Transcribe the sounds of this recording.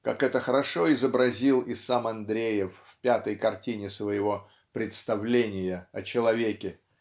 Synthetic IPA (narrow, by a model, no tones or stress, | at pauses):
kakɛt̪əxəɾɐʂo̞ɪzəbɾɐzʲilˠɪsamɐnd̪ɾʲejɪfːpʲat̪əjkɐrtʲinʲɪsvəjɪvo̞ | pɾʲɪt̪st̪ɐvlʲenʲɪjəɐt͡ɕɪlˠɐvʲekʲɪ